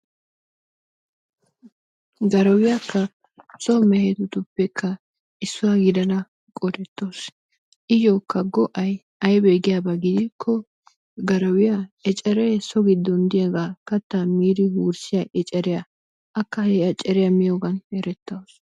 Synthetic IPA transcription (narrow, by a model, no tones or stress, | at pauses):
ɡɐɾɐwɪjɐkːɐ | t͡sʼɔmɛhɛt̪ʊt̪ʊpːɛkʰːɐ | ɪsːʊwɐɡɪd̪ɐnɐ | kʼɔd̪ɛt̪ːoːs | ʔɪjoːkːɐɡɔʔɐj | ɐjbɛɡɪjabɐɡɪd̪ɪkʰːɔ | ɡɐɾɐwɪjɐɛt͡ʃʼɛɾɛsɔɡɪd̪ːɔnd̪ɪjɐɡaːkɐt̪ːamiːd̪ɪɡuːɾsɪjɐʔɛt͡ʃʼɛɾɪjɐ | ʔɐkːɐhɛɐt͡ʃʼːɛɾɪjɐmɪjoːɡɐnɛɾɛt̪ːɐws